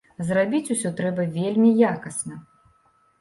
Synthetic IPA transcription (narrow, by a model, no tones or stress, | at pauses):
zrabʲit͡sʲusʲɔt̪ɾɛbɐvʲelʲmʲijakɐsnɐ